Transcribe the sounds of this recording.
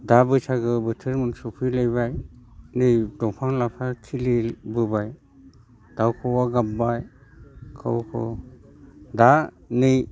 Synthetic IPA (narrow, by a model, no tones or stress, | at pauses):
dabɯt͡ʃʰaɡɯbɯtʰɯɾmɯŋsupʰɯlajbajnɯjdɔŋpʰaŋlapʰakʰilibɯbaj | d̥awkʰɔwaɡambaj | kʰa̰wkʰɔ̰ | danɯj